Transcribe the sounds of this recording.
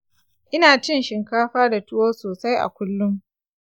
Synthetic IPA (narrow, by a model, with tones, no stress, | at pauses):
ʔɪ˦naː˨t͡ʃɪ˦nʃɪ˨ŋkaː˦ɸaː˦da˨tʊ˦woː˦soː˨sa˦jʔa̰˨kʷʊ˦lːʊ˦m